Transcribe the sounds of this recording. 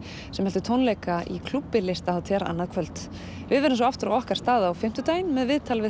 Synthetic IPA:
sɛmhɛlt̪ʏt̪ʰownlejkaʔḭkʰl̥upːɪlɪst̪ahawt̪ʰɛɾa̰nːaðkʰvœlt̪ | vɪðvɛɾɪns̬ɔaft̪ʏɾawɔhkaɾ̥t̪aːðaːwfɪm̥t̪ʏt̪aːjnmɛðvɪðt̪ʰalvɪ

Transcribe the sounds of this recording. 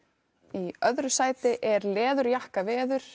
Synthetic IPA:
iœðɾʏsaːjt̪ɪʔɛɾlɛːðʏɾjahkavɛːðʏɾ̥

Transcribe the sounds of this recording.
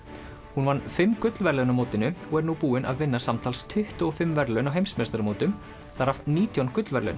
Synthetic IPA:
hunvanːfɪmːkʏt̪lvɛɾlœnʏmoːwt̪ɪnʏɔɣɛɾnupuːɪnʔa̰ðvɪnːasamt̪ʰalst̪ʰʏht̪ʏɔfɪmːvɛɾlœnawɦejmsmɛst̪aɾmoːwt̪ʏm | θaɾavniːt̪ʰjɔnkʏt̪lvɛɾlœ̰n

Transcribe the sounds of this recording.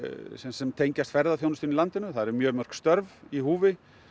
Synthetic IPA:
sɛsɛmt̪ʰejɲcast̪fɛɾðaθjownst̪iːnilant̪ɪnʏθaðɛɾɛɾmjœːɣmœr̥kst̪œɾvihuːvɪ

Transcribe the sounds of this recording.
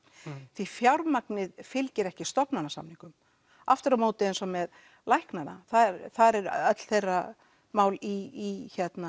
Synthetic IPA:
θifjawɾmak̚nɪðfɪlcɪɾɛhcɪst̪ɔpnanːasa̰mnĩŋkʏm | aft̪ɪɾamowt̪ɪejnsɔmɛð | lajhknana̰θaðɛɾθaðɾɛɾœt̪l̥θejrːa | maːwliːçɛt̪na

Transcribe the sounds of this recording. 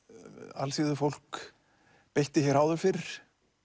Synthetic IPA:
a̰lsiðʏfowl̥k | pejht̪ɪçɛɾaːwðʏfɪɾɾ̥

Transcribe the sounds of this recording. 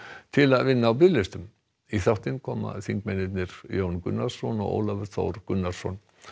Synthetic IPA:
t̪ʰɪlaðvɪnːaːwp̬ɾɪlːɪst̪ʏm | iθawht̪ɪnkʰɔːma̰θiŋkmɛnɛt̪nɪɾjownkʏ̰nːaɾ̥sɔnɔ̰ɣo̰ːwlavɛɾ̥t̪θo̰wɾkʏnːaɾ̥sɔn

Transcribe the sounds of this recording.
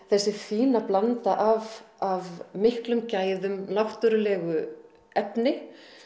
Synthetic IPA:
θɛsːɪfiːnaplant̪aʔavavmɪhklʏmcaːjðʏmlawht̪ʏɾʏlɛːɣʏ | ɛpnɪ

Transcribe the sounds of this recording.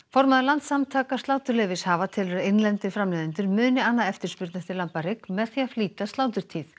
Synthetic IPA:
fɔɾmaðɪlant̪samt̪ʰaːkḁst̪laːwt̪ʏɾlɪvɪshavat̪ʰɪlʏɾejnlɛnt̪ɪfɾamlɛːðɪnt̪ʏɾmʏːnɪanːaɛft̪ɪɾ̥spʏɾt̪nḁt̪ɪɾlampaɾɪkmɛðθiafliːt̪ast̪aːwt̪̬ʏɾ̥t̪ʰiːθ

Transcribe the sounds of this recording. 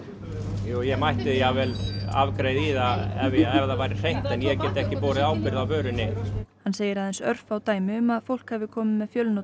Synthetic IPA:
jujɛmajht̪ɪðiavɛlavkɾeːjðiːðaɛvɪɛvðavajɾɪr̥ejn̥t̪ɛnjɛcɛːt̪ɪɛhcɪpɔːɾɪðaːwpɪɾðavvœːɾɪnɪhanseːjɪɾaðɛnsœɾ̥fawt̪aːjmɪʏmaðfowl̥khɛvðɪkʰɔːmɪmɛðfjœlno

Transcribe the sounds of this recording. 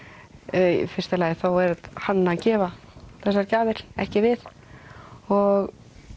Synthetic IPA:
fɪr̥st̪alɛːjɣθawɛɾhanːacɛːva | θɛsːaɾcaːvɪɾ̥ɛ̰hcɪvɪð | ɔɣ

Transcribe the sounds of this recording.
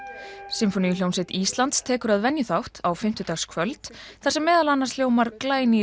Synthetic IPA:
sɪmfɔnijʏl̥jownsɪt̪iːst̪lant̪st̪ʰɛːkʏɾaðvɛnjʏθawht̪awfɪm̥t̪ʏt̪aːskʰvœlt̪θasɛmːɛːðalanːaɾ̥sljoːwmaɾklaːjni

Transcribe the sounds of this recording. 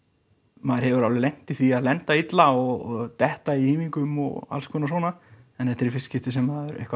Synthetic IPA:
maːðɪɾ̥hɛvʏɾawlɪlejŋ̥t̪iθiaðlɛnt̪ait̪laɔɣɔt̪ɛht̪aiiːmiŋkʏmɔ̰ɣa̰lskʰœːnas̬wɔːna | ɛnθɛht̪ɪɾfɪscɪft̪ɪsɛmːaðʏɾḛhkva

